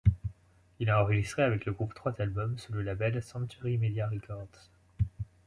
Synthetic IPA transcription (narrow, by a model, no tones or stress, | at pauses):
ilɑ̃ɑ̃ʁəʒist̪χeavɛkləɡʁupt̪χwat̪albɔmsuləlabɛlsɑ̃kt̪ɛʁimed̪jaʁikʰɔʁd̪s